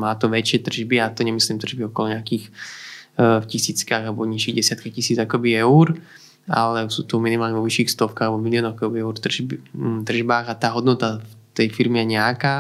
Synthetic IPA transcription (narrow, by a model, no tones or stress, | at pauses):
maːt̪ɔʋɛt͡ʃɪɛt̪r̩ʒbiat̪ɔɲɛmisliːmt̪r̩ʒbiɔkɔlɔɲɛakiːx | fcisiːt͡skaːɣalbɔɲiʃiɣɟɛsɪat̪̚kaxcisiːd͡zakɔbiɛuɾ | a̰lɛsuːt̪ɔminimaːlɲɛʋɔʋiʃiːxst̪ɔfkaːɣlɛbɔmiliɔːnɔxakɔbiɛʊɾt̪bt̪r̩ʒbaːɣat̪aːɦɔd̪nɔt̪aft̪ɛjfiɾmijɛɲɛakaː